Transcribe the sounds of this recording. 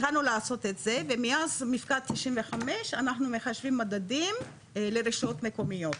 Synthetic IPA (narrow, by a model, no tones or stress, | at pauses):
χanulaaso̞t̪etz̥e̞ve̞miazmifkad̚t̪ːiʃimveχame̞ʃanaχnume̞χaʃvimːadadim | leʁeʃotme̞ko̞mijo̞t